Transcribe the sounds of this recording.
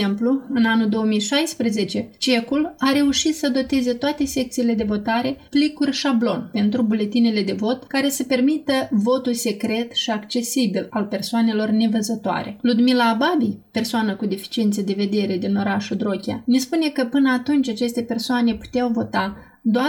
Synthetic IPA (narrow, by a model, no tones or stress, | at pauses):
empluɨnanuld̪o̞wəmijʃajspɾeze̞t͡ʃe̞t͡ʃe̞kulaɾe̞uʃit̪səd̪o̞t̪e̞zet̪oat̪e̞se̞k̚t̪siːle̞d̪e̞vo̞t̪aɾe̞plikurʲʃablo̞npe̞nt̪ɾubule̞t̪inele̞d̪e̞vo̞t̪kaɾe̞səpe̞rmit̪əvo̞t̪ulse̞kɾe̞t̪ʃiakt͡ʃe̞sibilalpe̞rsoane̞lo̞rne̞vəzət̪oa̰ɾe̞̰lud̪milaːbabipe̞rsoanəkud̪efi̥t͡ʃient̪səd̪e̞ve̞d̪e̞ɾe̞d̪ino̞ɾaʃud̪ɾo̞kʲja̰nespune̞kəpɨnəat̪unt͡ʃat͡ʃe̞st̪e̞pe̞rsoane̞pu̥t̪eawvo̞t̪a | d̪oa